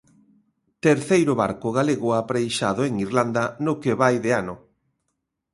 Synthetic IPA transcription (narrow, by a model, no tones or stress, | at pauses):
t̪eɾθejɾʊβa̰ɾkʊɣaleɣʊapɾejʃa̰ðʊeŋirland̪ɐnʊkeβajðeanʊ